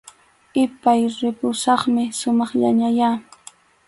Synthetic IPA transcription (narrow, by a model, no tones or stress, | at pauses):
ɪpajɾɪpʊsɑχmɪsʊmɑχʎa̰ɲaja